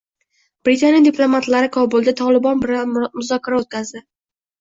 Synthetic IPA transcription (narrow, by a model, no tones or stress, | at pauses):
b̥ɾɪt̪ʰanijad̪ɪpʰlˠomat̪laɾɪkʰɒbʊlˠd̪at̪ʰɒlˠɪbɒnbɪɾamʊzɒkʰʲaɾaot̪̚kʲazd̪ɪ